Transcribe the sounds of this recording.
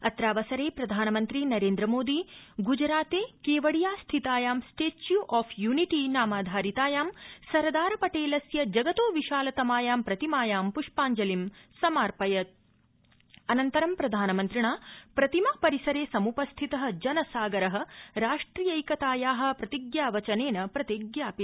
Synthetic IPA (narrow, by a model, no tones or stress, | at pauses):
ɐt̪ɾaːʋɐsɐɾeːpɾɐd̪ʱaːnɐmɐnt̪ɾinɐɾeːnd̪ɾɐmoːd̪iɡud͡ʒɾaːt̪eːkeːʋɐɽijaːst̪ʰit̪aːjaːmsʈeːt͡ʃjuʔaːpʰjuːniʈinaːmaːd̪ʱaːɾit̪aːjaːmsɐɾd̪aːɾɐpɐʈeːlɐsjɐd͡ʒɐɡɐt̪oːʋiʃaːlɐt̪ɐmaːjaːmpɾɐt̪imaːjaːmpuʂpaːɲd͡ʒɐlimsɐmaːɾpɐjɐt̪̚ | ɐnɐnt̪ɐɾɐmpɾɐd̪ʱaːnɐmɐnt̪ɾiɳaːpɾɐt̪imaːpɐɾisɐɾeːsɐmupɐst̪ʰit̪ɐɦɐ̆d͡ʒɐnɐsaːɡɐɾɐɦɐ̆ɾaːʂʈɾiːjɐjkɐt̪aːjaːɦɐ̆pɾɐt̪iɡjaːʋɐt͡ʃɐneːnɐpɾɐt̪iɡjaːpi